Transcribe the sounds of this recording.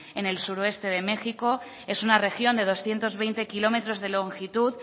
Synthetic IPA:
e̞ne̞lsuɾoe̞st̪e̞ðe̞me̞xiko̞ | e̞sunare̞xjo̞nd̪e̞ð̞o̞sθje̞nt̪o̞zβ̞e̞jnt̪e̞kilo̞me̞t̪ɾo̞zðe̞lo̞ŋxit̪uð

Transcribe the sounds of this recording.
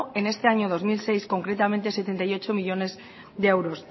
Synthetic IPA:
e̞ne̞st̪e̞aɲo̞ð̞o̞zmilse̞jsko̞ŋkɾe̞t̪ament̪e̞set̪e̞nt̪ajo̞t͡ʃo̞miʎo̞ne̞z | ðeewɾo̞s

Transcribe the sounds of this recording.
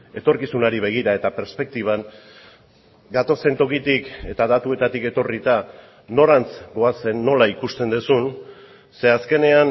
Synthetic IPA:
e̞t̪o̞ɾkisunaɾiβ̞e̞ɣ̞iɾae̞t̪ape̞ɾspe̞k̚t̪iβ̞an | ɡat̪o̞se̞nt̪o̞kit̪ike̞t̪aðat̪ue̞t̪at̪ike̞t̪o̞rit̪a | no̞ɾant͡sɡo̞ase̞nːo̞laikust̪e̞nd̪usun | se̞aske̞ne̞an

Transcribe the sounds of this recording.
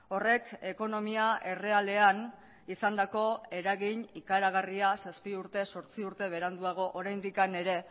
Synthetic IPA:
o̞re̞ke̞ko̞no̞miaʔe̞re̞ale̞an | isand̪ako̞e̞ɾaɣiɲikaeɾaɣariasaspiuɾt̪e̞so̞ɾt͡siuɾt̪e̞β̞e̞ɾand̪uaɣ̞o̞ʔoɾajnd̪ikane̞ɾe̞

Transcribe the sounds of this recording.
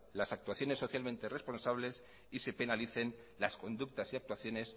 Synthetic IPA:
lasak̚t̪uaθjo̞nesːo̞θjalmẽnt̪ere̞spo̞nsaβ̞le̞s | ise̞pe̞naliθe̞n | lasko̞nd̪uk̚t̪asiak̚t̪waθjo̞ne̞s

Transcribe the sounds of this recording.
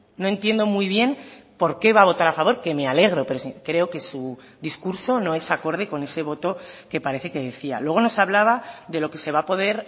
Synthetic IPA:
noe̞nt̪je̞nd̪o̞muijβ̞je̞npo̞ɾke̞βaβo̞t̪aɾafaβ̞o̞ɾke̞me̞ale̞ɣ̞ɾo̞pe̞ɾosikɾe̞o̞ke̞su | ðiskuɾsono̞e̞sako̞ɾð̞e̞ko̞ne̞se̞β̞o̞t̪oke̞paɾe̞θe̞ke̞ðe̞θia̰lwe̞ɣ̞o̞no̞saβlaβ̞aðe̞lo̞ke̞se̞β̞apo̞ð̞e̞ɾ

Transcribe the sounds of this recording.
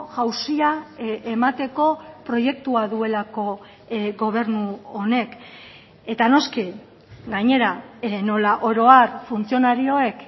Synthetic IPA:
ɣawsiaemat̪e̞ko̞pɾo̞je̞k̚t̪uaðue̞lako̞ | ɡo̞β̞e̞ɾnuone̞k | e̞t̪ano̞ski | ɡaɲe̞ɾano̞laʔo̞ɾo̞aɾfunt͡sio̞naɾio̞e̞k

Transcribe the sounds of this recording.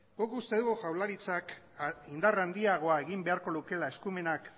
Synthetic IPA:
ɡokust̪eðuɣuʝawlaɾit͡sak | ind̪arand̪iaɣ̞o̞ae̞ɣimbe̞aɾko̞luke̞lae̞skume̞nak

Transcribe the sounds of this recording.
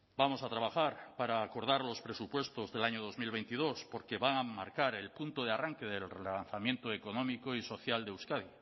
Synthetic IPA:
bamo̞sat̪ɾaβ̞axaɾpaɾaːko̞ɾð̞aɾlo̞spɾe̞supwe̞st̪o̞zðe̞laɲoð̞o̞zmilβ̞e̞nt̪ið̞o̞spo̞ɾke̞βaŋamaɾkaɾe̞lpunt̪oð̞earaŋke̞ðelanθamjẽ̞nt̪oeko̞nõ̞mikoiso̞θjald̪eewskaði

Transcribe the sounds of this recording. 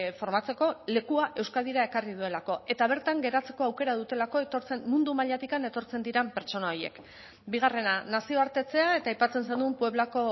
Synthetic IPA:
fo̞ɾmat͡se̞ko̞le̞kuaʔe̞wskað̞iɾae̞karið̞ue̞lako̞e̞t̪aβ̞e̞ɾt̪aŋɡe̞ɾat͡se̞ko̞awke̞ɾað̞ut̪e̞lako̞et̪o̞ɾt͡se̞nːund̪umaʎat̪ikane̞t̪o̞ɾt͡se̞nd̪iɾampe̞ɾt͡ʃo̞naoje̞̰k | biɣare̞nanasio̞aɾt̪e̞t͡se̞ae̞t̪aːjpat͡se̞nsend̪umpue̞β̞lako̞

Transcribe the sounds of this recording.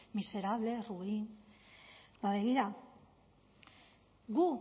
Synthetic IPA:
mise̞ɾaβle̞ruin | baβe̞ɣiɾa | ɣu

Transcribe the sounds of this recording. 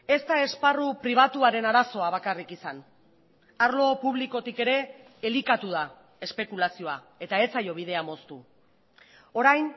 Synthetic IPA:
e̞st̪ae̞sparupɾiβ̞at̪uaɾe̞naɾaso̞aβ̞akarikisan | aɾlo̞puβ̞liko̞t̪ike̞ɾe̞ː | likat̪uða | e̞spe̞kulasio̞a | e̞t̪ae̞t͡sajo̞β̞iðe̞amo̞st̪u | o̞ɾajn

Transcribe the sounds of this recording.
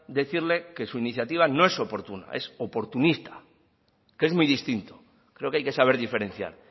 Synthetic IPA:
d̪e̞θiɾle̞ke̞suiniθjat̪iβ̞ano̞e̞so̞po̞ɾt̪una̰ʔe̞̰so̞po̞ɾt̪unist̪ḁ | kee̞zmujðist̪int̪o̥ | kɾe̞o̞keajke̞saβ̞e̞ɾðife̞ɾẽ̞nθja̰ɾ

